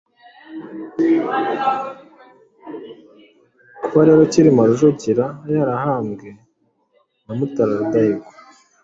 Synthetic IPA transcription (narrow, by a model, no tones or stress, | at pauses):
kuβaɾe̞ːɾociɾimaɾuʒociɾajaɾahaːmɡe̞ | namutaɾaɾudaiɡo̥